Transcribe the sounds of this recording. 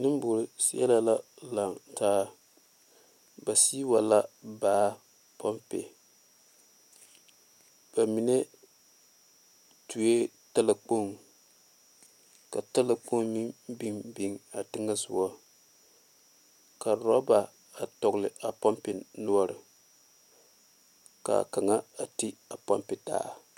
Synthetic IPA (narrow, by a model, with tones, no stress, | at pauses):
nɨ˦m˦bʊ˨ɾsḭ˦ɛ̰˦la˦la˦la˨ŋtʰaː˦ | ba˨siː˦wa˨la˦baː˦ | pʰɔ˦mpḛ˨ | b̥a˨mi˨ne˦ | tu˨e˦ | ta˦la˨k͡po˦˨ŋ | ka˨ta˦la˨k͡po˦ŋmi˦bi˦ŋbi˦ŋa˨tɪ˦ŋa˦sʊ˨wɔ˦ | ka˨ɾɔ˦ba˨ | a˨tɔ˨ɣlɪ˨a˨pa˦mpɪ˨nu˦ɔ˦ɾɪ˨ | ka̰˨ka˨ŋa˦a˨ti˦a˨pa̰˦mpɪ˨ta̰ː˦˨